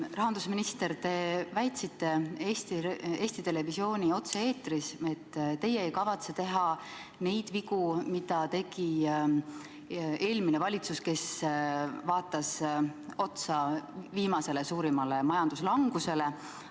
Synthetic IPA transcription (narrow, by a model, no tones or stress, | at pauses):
rɑɦɑnd̪usminist̪e̞ɾt̪e̞ːvæjt̪sit̪ːe̞eːst̪ieːsʲt̪it̪e̞le̞visio̞ːnʲio̞t̪see̞ːt̪rise̞t̪ːt̪ːe̞jeejkɑvɑt̪se̞t̪e̞ɦɑ | ne̞jd̪̥viɡumid̪̥ɑt̪e̞ɡ̥i | e̞ːlminevɑlʲit̪suske̞s | vɑːt̪ːˑɑso̞t̪sɑviːmɑse̞le̞suːɾimɑle̞mɑjɑnd̪̥uslɑŋɡ̥use̞le̞